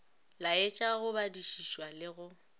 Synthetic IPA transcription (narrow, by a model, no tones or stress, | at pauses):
laɪt͡ʃʼaɣʊbadiʃiʃwalɪɣʊ